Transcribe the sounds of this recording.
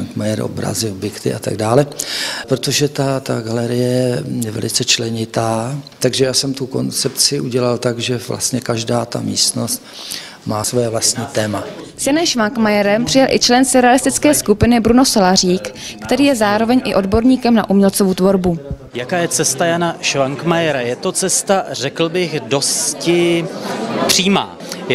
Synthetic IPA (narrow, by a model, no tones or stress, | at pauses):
aŋkmajɛɾʔo̰bɾa̰zɪbɪkt̪ɪ̰ʔat̪a̰ɡ̚daːlɛpɾot̪o̞ʒɛt̪at̪aɡalɛɾɪjɛɛjɛvɛ̰lɪt͡sɛt͡ʃlɛɲɪt̪aːt̪aɡʒɛjaːsɛmt̪uko̞nt͡sɛp̚t͡sɪʔuɟɛlalt̪aɡʒɛvla̰st̪ɲɛkaʒdaːt̪a̰mḭːst̪no̞st̪ | maːsvojɛvlast̪ɲiːt̪ɛːma | sjanɛmʃvaŋkmajɛɾɛmpr̝̥ɪjɛlʔɪt͡ʃlɛnsɪɾɛalɪst̪ɪt͡skɛːskupɪnɪbɾuno̞solariːkkt̪ɛɾiːjɛzaːɾo̞vɛɲʔɪ̰ʔo̞dbo̞ɾɲiːkɛmnaʔumɲɛlt͡sovut̪vo̞ɾbu | jakaːjɛt͡sɛst̪ajanaʃvaŋkmajɛɾajɛt̪ot͡sɛst̪ar̝ɛkl̩bɪxdo̞scɪ | pr̝̥iːma̰ː